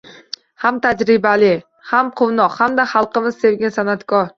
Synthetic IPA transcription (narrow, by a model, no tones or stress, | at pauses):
hamt̪ʰad͡ʒɾɪbalɪ | hamqʰʊwnɒqhamd̪ahɑlˠqɨmɪzse̞vɡʲansanat̪kʰɒɾ